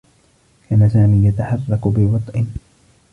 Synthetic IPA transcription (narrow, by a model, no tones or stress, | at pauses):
kʰaːnasaːmiːjat̪aħɑrˤːɑkbɪwɑt̪ˤʔɪ